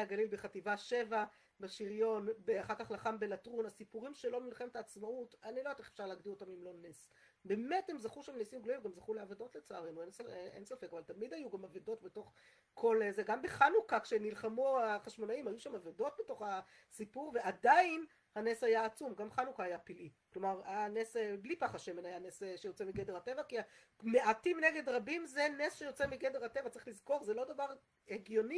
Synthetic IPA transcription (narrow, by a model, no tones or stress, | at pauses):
aɡalilbeχativaʃe̞va | baʃiʁjo̞nbeaχaʁkaχlaχambe̞latʁunasipuʁimʃelo̞milχemtaːt͡smautanilojt̪eχe̥fʃaʁlaːɡdiotamimlo̞nes | be̞me̞the̞mzaχuʃamnesimɡloimvɡamzaχuleavedo̞tlet͡saaʁenuensaḛnsafe̞kavaltamidajuɡamavedo̞tbeto̞χ | kʰo̞lzeɡambeχanukakʃenilχamuaχaʃmo̞naimhajuʃamavedo̞t̚beto̞χa | sipuʁveʔadain | haneshajaːt͡sumɡamχanukaːjapilʔiklo̞maʁaneseblipaχaʃemenajanesʃejo̞t͡semiɡedehatevakia | me̞ʔatimneɡe̞dʁabimzenesʃejo̞t͡semiɡedeʁatevat͡saʁiχlizko̞ʁzelo̞davaʁ | eɡjo̞ni